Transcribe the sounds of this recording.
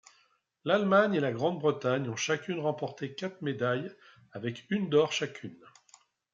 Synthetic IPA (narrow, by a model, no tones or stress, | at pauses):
lalmaɲelaɡʁɑ̃d̪̚bʁət̪aɲɔ̃ʃakʲynʁɑ̃pɔʁt̪ekat̪χmed̪aj | avɛkynd̪ɔʁʃakʲʰyn